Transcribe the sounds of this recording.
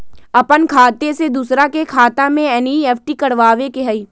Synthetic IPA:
ɐpənkʰaːt̪esed̪uːsɾakekʰaːt̪ãmẽɛniɛːfʰʈikɐɽʋaːʋekeɦəiː

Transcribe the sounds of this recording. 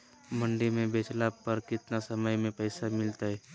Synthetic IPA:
mʊ̃ɳɖimẽbeːt͡ʃlapɐɾkɪt̪nasɐməjmẽpəɪsamɪlt̪aɦɛː

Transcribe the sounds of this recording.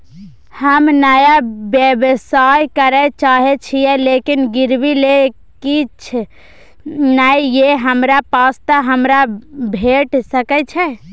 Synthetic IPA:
həmnajabjebsajkəɾɛt͡ʃaɦɛt͡ʃʰijɛlekinɡiɾbile | kit͡ʃʰ | najjeɦəmɾapast̪əɦəmɾabʱeʈsəkɛt͡ʃʰɛ

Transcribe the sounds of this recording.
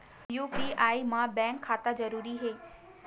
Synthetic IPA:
juːpiaːimãbɛ̃ːŋkʰːaːt̪azɐɾuːɾiɦeː

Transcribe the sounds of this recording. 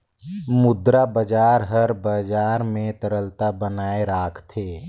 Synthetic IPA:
mʊd̪ɾabəd͡ʒaːɾɦəɾbəd͡ʒaːɾmẽt̪əɾəlt̪abənaːeɾaːkʰt̪ʰeː

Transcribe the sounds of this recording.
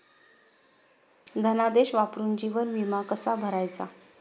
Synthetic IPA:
d̪ʱənad̪eɕʋapɾuːnd͡ʑiʋənʋimakəsabʱəɾajt͡sa

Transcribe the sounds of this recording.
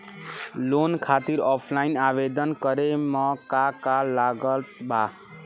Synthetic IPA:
lonkʰat̪iɾɔpʰlainaβed̪ʌnkʌɾemʌkakalaɡʌt̪ba

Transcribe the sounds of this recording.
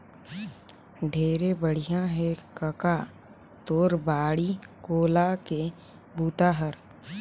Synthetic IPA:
ɖʱeːɾebəɽ̤ijãɦɛkəka | t̪oːɾbaːɽikoːlake | buːt̪aːɦəɾ

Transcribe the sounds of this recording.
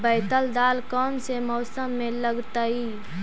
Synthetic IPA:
bəːt̪əld̪aːlkɔːmsemɔːsəmːẽləɡt̪aːiː

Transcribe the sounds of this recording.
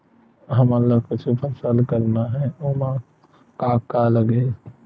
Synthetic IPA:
ɦəməlːakʊt͡ʃʰpʰəsəlkəɾnaɦɛomã | kaːkːaləɡe

